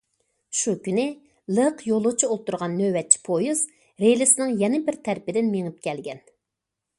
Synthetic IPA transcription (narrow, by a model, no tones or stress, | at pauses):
ʃukʲynɪ | lˠəqʰjolˠʊʁt͡ʃʰiolˠt̪uɾʁɑnːøwɛt̪̚t͡ʃʰi̥pʰojiz | ɾelɪsɪnɪŋjɛnɪbɪɾt̪ʰɛɾpɪd̪ɪnmeŋɨp̚kʲɛlɡʲɛn